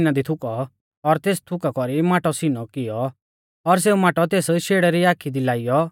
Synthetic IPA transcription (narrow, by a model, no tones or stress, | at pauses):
nad̪it̪ʰʊkɔ | ɔɾt̪eːst̪ʰʊkakɔɾimaːʈɔsinɔkɪjɔ | ɔɾs̬eːumaːʈɔt̪eːsʃeːɽɛɾiaːkʰid̪ilaːɪjɔ